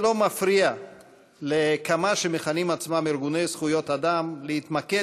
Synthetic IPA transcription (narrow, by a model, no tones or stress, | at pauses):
lo̞mafɾia | lekamaʃemeχanimat͡smamiɾɡune̞jsχujo̞t̪ad̪amleit̪make